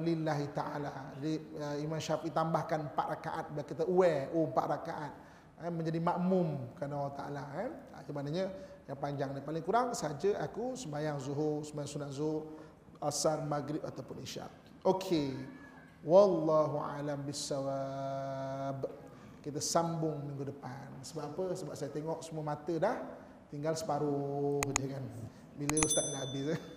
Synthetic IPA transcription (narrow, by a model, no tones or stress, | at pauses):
lilaɦit̪aʔalad͡ʒadiəimãnʃafʔit̪ambahkanəmpat̪raka̰ʔat̪̚biakit̪auɛompa̰ʔ̪ɾakaʔat̪̚ | aməɲd͡ʒadimaʔmʊmkɾanaawat̪aʔa̰laɛa̰d͡ʒamanaɲəjaŋpaɲd͡ʒaŋdapalɪŋkuɾaŋsəad͡ʒəʔakusəmajaŋzuɦʊrsəmajaŋsunat̪̚zuɦʊr | asarmaɡɾɪp̚at̪awpʊniʃa̰ʔ | ʔokʰe | walːaɦua̰lambisawa | b | kit̪əsambʊŋmiŋɡudəpansəbapapəsəbap̚sajat̪eŋɔʔsəmuəmat̪ədah | t̪iŋɡalsə̥paɾʊɦd͡ʒəkan | biləust̪aʔnaabɪs